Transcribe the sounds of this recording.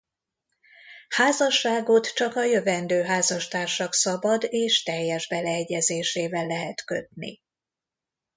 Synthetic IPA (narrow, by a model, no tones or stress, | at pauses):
haːzɒʃːaːɡo̞t̪t͡ʃɒkɒjø̞vɛnd̪øːɦaːzɒʃt̪aːrʃɒksɒbɒd̪eːʃt̪ɛjːɛʒbɛlɛɛɟːɛzeːʃeːvɛlːɛɦɛt̪kø̞t̪nḭ